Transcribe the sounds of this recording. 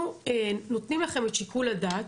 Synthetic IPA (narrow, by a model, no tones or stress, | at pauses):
eno̞t̪nimlaχe̞met̪ʃikuladat